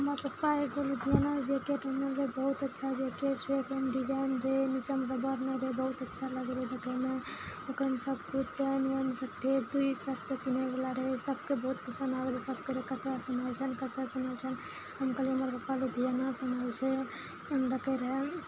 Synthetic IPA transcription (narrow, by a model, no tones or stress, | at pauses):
ɦəməɾpəpːaekoled̪ʱijanad͡ʒekeʈəmeɾlebəɦut̪ətːʃʰad͡ʒeket͡ʃʰekmɖid͡ʒainɾenit͡ʃəmɡəbəɾnəɾebəɦut̪ətːʃʰaləɡeleləkəmeokɾeɦmsəb̚kut͡ʃt͡ʃʰənʋənsək̚ʈ̪ʰed̪uisəpʰsẽkinebelaɾesəb̚kebəɦut̪̚pəsənabelesəb̚keɾekət̪asənəlt͡ʃʰənkət̪asənəlt͡ʃʰən | ɦəmkəleɦəməɾpəpːaled̪ʱijanasənəlt͡ʃʰɛ | ləkeɾe